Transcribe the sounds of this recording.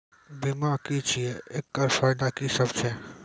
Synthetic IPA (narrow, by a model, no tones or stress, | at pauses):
bimakit͡ʃʰijeʔekːaɾfaːɪd̪akisəbt͡ʃʰɛː